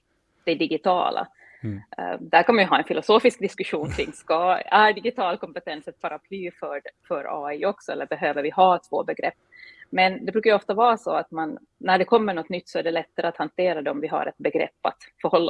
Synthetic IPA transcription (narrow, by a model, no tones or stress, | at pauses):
d̪̥ɛɖɪɡɪt̪ʰɑ̰ːlʔa̰ | d̪æɾkʰanvajɵɦɑːɛnfɪlʊsoːfɪsk̚d̪ɪskɵɧuːnkʰɾɪŋːskɑæɖɪɡɪt̪ʰɑːlkʰɔmpɛt̪ʰɛnsɛt̪̚pʰaɾapʰlyːfœɖfœɾɑ̰ːiɔksɔɛlːəɾbɛɦøːvəɾvɪɦɑːɛt̪svo̰ːbɛɡɾɛ̰pːmɛnd̪ɛbɾʉkajʏɔft̪avɑːɾsɔat̪manː | æɖɛkʰɔmːəɳɔt̪ːnʏt̪ːsɔæɖɛlɛt̪ːaɾəat̪hant̪ʰeːɾad̪ɛɔmvɪɦa̰ɾɛ̰t̪̚bɛɡɾɛ̰pːa̰t̪fœɾhɔlːa